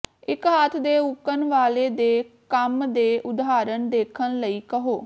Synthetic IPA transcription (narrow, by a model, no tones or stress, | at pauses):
ɪkɦaːt̪ʰd̪eːʊkːənʋaːleːd̪eːkəmd̪eːʔʊd̪aːɾənd̪eːkʰənləiːkəɦoː